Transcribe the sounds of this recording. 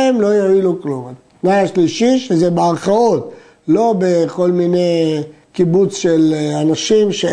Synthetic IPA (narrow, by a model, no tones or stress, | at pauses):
emlo̞joilukluma | naaʃliʃiʃezebeaʁχaot̪ | lo̞beko̞lmine | kibut͡sʃelanaʃimʃe